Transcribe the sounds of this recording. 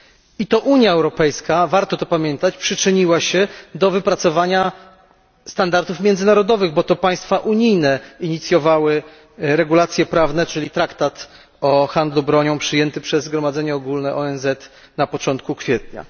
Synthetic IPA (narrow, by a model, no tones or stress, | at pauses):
it̪ɔʔuɲjaɛwɾɔpɛjskavaɾt̪ɔt̪ɔpamʲjɛnt̪at͡ɕpʂɘt͡ʂɘɲiwaɕɛd̪ɔvɘpɾat̪sɔvaɲa | st̪and̪aɾt̪ufmʲjɛnd̪zɘnaɾɔd̪ɔvɘɣbɔt̪ɔpaj̃st̪faʔuɲijnɛiɲit̪sʲjɔvawɘ | ɾɛɡulat̪sʲjɛpɾavnɛt͡ʂɘlʲit̪ɾakt̪at̪ | ɔxand̪lubɾɔɲɔ̃w̃pʂɘjɛnt̪ɘpʂɛzɡɾɔmad̪zɛɲɛɔɡulnɛʔɔɛnzɛt̪ | napɔt͡ʂɔnt̪̚kukfʲjɛt̪ɲa̰